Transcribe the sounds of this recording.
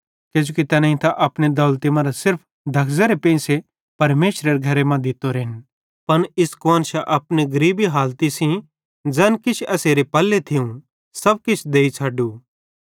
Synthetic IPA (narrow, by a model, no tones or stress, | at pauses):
keːd͡ʒoːkit̪ɐnãːĩt̪aʔɐpɽed̪ɔːlt̪imãɾasɪɾpʰ | d̪ʱɐkʰzəɾepẽːse | pɐɾmeːʃɾəɾeɡʱɐɾemãd̪ɪt̪oɾeːn | pɐnɪskoːnʃaʔɐpneɡɐɾiːbiɦaːlt̪isĩ | d͡ʒɛnkɪt͡ʃʰɐseːɾepɐlːet̪ʰɪũ | sɐb̚kɪt͡ʃʰd̪eːit͡ʃʰaːɖuː